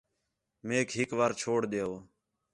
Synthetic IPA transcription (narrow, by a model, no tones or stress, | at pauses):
meːkɦɪkʋaːɾt͡ʃʰoːɽd̪eːoː